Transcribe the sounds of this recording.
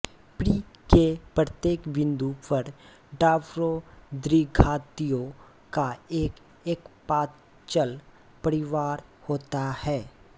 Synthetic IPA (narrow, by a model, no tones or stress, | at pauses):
pɾiː | kepɾət̪jeːkʋɪ̃nd̪uːpəɾ | ɖaːʋɾod̪ɾiɡʱaːt̪ijõ | kaeːk | eːkpaː | t͡ʃəl | pəɾɪʋaːɾhoːt̪ahɛː